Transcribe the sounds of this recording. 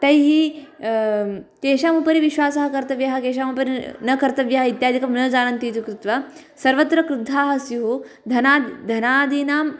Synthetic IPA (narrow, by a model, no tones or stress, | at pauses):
t̪ɐjɦi | keːʃaːmupɐɾiʋiʃʋaːsɐɦɐkɐɾt̪ɐʋjɐɦɐkeːʃ̬aːmupɐɾinɐkɐɾt̪ɐʋjɐɦɐit̪jaːd̪ʱikɐmnɐd͡zaːnɐnt̪iːt̪ukɾut̪ʋɐ | sɐɾʋɐt̪ɾɐkɾud̪ʱaːɦɐsjuɦu | d̪ʱɐnaːd̪ʱɐnaːd̪iːnaːm